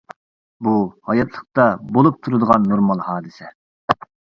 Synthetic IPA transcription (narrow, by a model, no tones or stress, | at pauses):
buhɑjɑt̪ʰlˠə̥qt̪ɑbolˠup̚t̪ʰuɾɨd̪əʁɑnːoɾmɑlˠhɑːd̪ɨsɛ